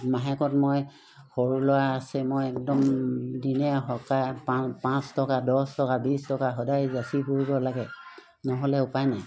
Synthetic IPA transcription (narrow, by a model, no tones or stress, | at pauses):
maɦɛkɔtmoj | xoɹulɔwaasɛmojɛk̚dɔmdinɛɦɔkajpapãstɔkadɔstɔkabistɔkaɦɔdajzasibuɹibɔlaɡɛ | nɔɦɔlɛʊpajnaj